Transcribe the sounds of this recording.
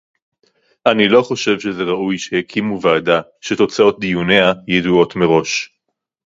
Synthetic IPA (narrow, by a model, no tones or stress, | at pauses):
ʔanilo̞χo̞ʃe̞vʃeze̞ʁaʔujʃehekʰimuvaːdaʃet̪o̞t͡sao̞t̚d̪ijuneajeduo̞tme̞ʁo̞ʃ